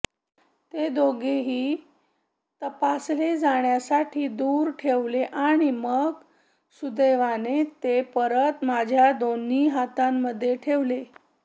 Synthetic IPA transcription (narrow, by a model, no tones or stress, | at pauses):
t̪ed̪oɡeɦiː | t̪əpasled͡zaɳjasaʈʰiːd̪uːɾʈʰeʋleʔaɽ̃iməɡ | sud̪eʋanet̪epəɾət̪mad͡ʑʱjad̪onːiːɦat̪amːəd̪ʱːjeʈʰeʋle